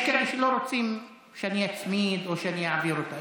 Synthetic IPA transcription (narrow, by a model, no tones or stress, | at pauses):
keʃelo̞ɾot͡sim | ʃeaniat͡smid̪oʃeanijaʕaviɾot̪a